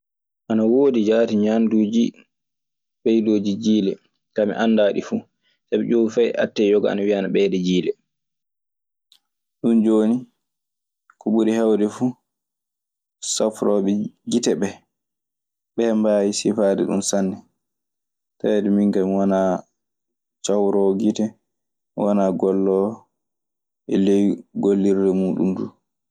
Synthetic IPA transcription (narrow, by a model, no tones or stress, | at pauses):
ʔanawoːdid͡ʒaːtiɲanduːd͡ʒi | ɓɛjdoːd͡ʒid͡ʒiːlɛ | kamḭʔandaːɗifu | sabɛd͡ʒowifajʔa̰tːɛjɔɡɔa̰nawianaɓɛdɛd͡ʒiːlɛ | ɗund͡ʒoːni | kɔɓuɾihawdɛfuː | safɾɔɓɛɡitɛɓɛ | ɓɛːmbajisifaːdɛɗṵnsanːɛ | tawɛdɛmiŋɡamiwana | t͡ʃawɾɔɡitɛ | wanaɡɔlːɔ | ʔɛlɛjɡolːiɾdɛmuːɗṵnduː